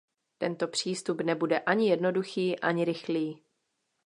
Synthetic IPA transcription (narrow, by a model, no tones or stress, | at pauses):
t̪ɛnt̪o̞pr̝̥iːst̪upnɛbudɛʔaɲɪjɛdno̞duxiːʔaɲɪɾɪxliː